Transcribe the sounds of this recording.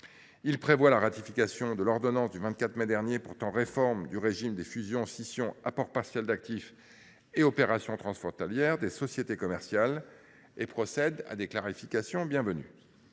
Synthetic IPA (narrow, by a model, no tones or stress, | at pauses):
ilpχevwalaʁat̪ifikasjɔ̃d̪əlɔʁd̪ɔnɑ̃sd̪yvɛ̃t̪̚kʲat̪χmɛd̪ɛʁnjepuʁt̪ɑ̃ʁefɔʁmd̪yʁeʒimd̪efyzjɔ̃sisjɔ̃apɔʁpaʁsjɛld̪ak̚t̪if | eɔpeʁasjɔ̃t̪χɑ̃sfχɔ̃t̪aljɛʁd̪esɔsjet̪ekɔmɛʁsjal | epχɔsɛd̪a̰d̪eklaʁifikasjɔ̃bjɛ̃vəny̰